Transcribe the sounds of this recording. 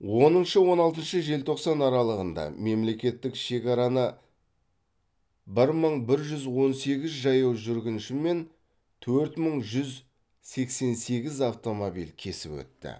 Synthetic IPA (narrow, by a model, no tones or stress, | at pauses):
wo̞nənʃəwo̞nɑlˠt̪ənʃəʒe̞lt̪ʰo̞qsɑnɑɾɑlˠəʁənd̪ɑ̰me̞mle̞kʲe̞t̪ːɪkʃe̞kʲɑɾɑnə | bɪɾməɴbɪɾʒʏzwo̞nse̞ɡʲɪzʒɑjɑwʒʏɾɡʲɪnʃɪme̞n | t̪ʰɵɾt̪məɴʒʏz | se̞kse̞nse̞ɡʲɪzɑft̪o̞mobḭlkʲʰe̞sɪpwɵ̰t̪ːɪ̰